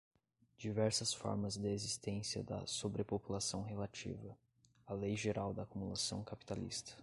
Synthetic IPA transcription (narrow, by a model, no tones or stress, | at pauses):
d͡ʒivɛɾsɐsfɔ̰ɾmɐzd̪ɪezist̪ẽsiɐ̰d̪ɐ̰sobɾepopulasɐ̃w̃ɦelat͡ʃḭvɐ | alejʒeɾawd̪ɐːkumulasɐ̃w̃kapi̥t̪alḭst̪ɐ̥